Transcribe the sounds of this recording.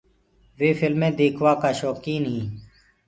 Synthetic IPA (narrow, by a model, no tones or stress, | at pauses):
ʋeːfɪlmẽːd̪eːkʰʋaːkaːʃɔːkiːnɦĩː